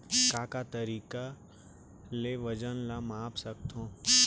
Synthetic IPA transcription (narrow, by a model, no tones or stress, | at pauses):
kaːkat̪əɾiːka | leʋəd͡ʒənlamaːpsɐkt̪ʰõː